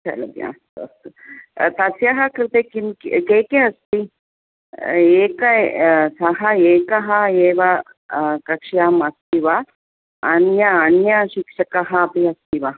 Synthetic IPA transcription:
t͡ʃʰɐ̰lɐ̰d̪ja̰ːt̪ɐ̰st̪ut̪ɐsjɐɦɐkɾɪt̪ekimkkeːkeɐst̪i | eːkɐsɐɦɐeːkɐɦɐeːʋɐ | kɐkʂjaːmɐst̪iʋaː | njɐːnjɐʃikʂɐkɐɦɐːpiɐst̪iʋa

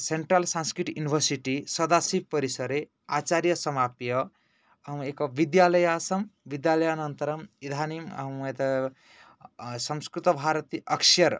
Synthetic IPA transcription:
seɳʈɾalsãnskɾiʈjunibʱəɾsiʈisɐd̪asib̚pʌɾisəɾe | at͡ʃaɾjʌsɐmapjʌ | ekoʋid̪jalɐjasɐmʋid̪jalɐjanʌnt̪ɐɾɐmid̪ʱanim̰met̪ɐ | sʌmskɾit̪ɐbʱaɾət̪iʔʌkʃɐɾ

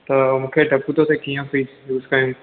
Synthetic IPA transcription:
t̪ɐmũːkʰeʈɐput̪ot̪ekijə̃piː | juːskɐjũ

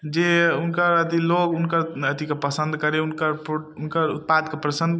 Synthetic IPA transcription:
d͡ʒeunkəɾət̪ilokunkəɾət̪ikepəsə̃nd̪kəɾeunkəɾpounkəɾṵt̪̚pad̪kepɾəsə̃nd̪

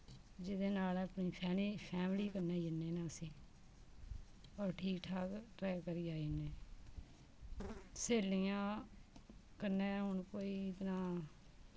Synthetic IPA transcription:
d͡ʒɪd̪eːnaːlaːpniːpʰɛːliːpʰɛːmliːkənːeːd͡ʒɪnːeːnaːəsĩː | ɔːɾʈʰiːkʈʰaːkʈɾɛːkəɾiːaːineː | seːliːãː | kəneːɦʊnkoːiːɪt̪nãː

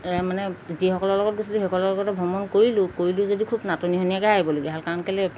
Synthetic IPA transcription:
ɛmanɛzixɔkɔlɔɹlɔɡɔt̚ɡosiluɦɔkɔlɔlɔɡɔtɛbʱɔmɔnkoɹilʊkoɹilʊzodikʰubnatɔniɦɔnijakɛaɦibɔlaɡɛɦalkaɹɔnkalɛ

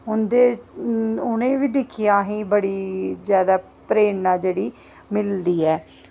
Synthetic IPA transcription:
ʊnd̪eː | ʊnẽːʋiːd̪ɪkʰɪjãːɦĩːbəɽiːd͡ʒjaːd̪aː | pɾeːɳnãːd͡ʒeːɽiː | mɪld̪iːɛː

